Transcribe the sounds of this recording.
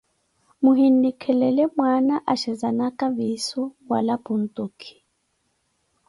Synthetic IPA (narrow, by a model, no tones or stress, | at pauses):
muhin̩dikʰɛlɛlɛmwanaʔaʃɛzanakʼavisɔwa̰lapun̩tʼukʰi̥